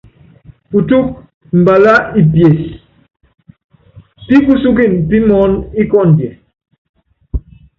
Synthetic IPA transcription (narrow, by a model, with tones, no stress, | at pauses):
pu˨tu˦k̚ | m̩˨ba˨la˦i˨pje˨s | pi˦pu˦su˦ki˦˨npi˦mɔ˨˦ni˦kɔ˦˨ndjɛ˨